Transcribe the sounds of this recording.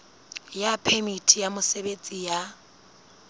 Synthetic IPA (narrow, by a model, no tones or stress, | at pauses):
japʰɛmitʰijamʊsebet͡sʼija